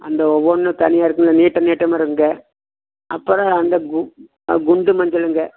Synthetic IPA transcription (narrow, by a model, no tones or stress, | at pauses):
ɐ̰nd̪ɐɔʋːonːɯt̪ɐnɪjaːɪɾɯkːɯnlɐniːʈːɐniːʈːɐmaɪɾɯŋɡɐ | ʔɐpːɔɾɐ̃ɐnd̪ɐɡ | ɡʊɳɖɯmɐɲd͡ʒɐlɯŋɡɐ